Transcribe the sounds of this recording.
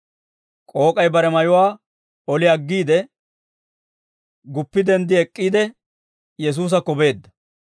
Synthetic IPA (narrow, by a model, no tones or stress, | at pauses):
kʼo̞ːkʼɐjbɐɾɛmɐjʊwaː | ɔlɪɐɡːiːd̪ɛ | ɡʊpːɪd̪ɛnd̪ɪɛkʼːiːd̪ɛ | jɛs̬uːs̬ɐkɔbe̞ːd̪ːɐ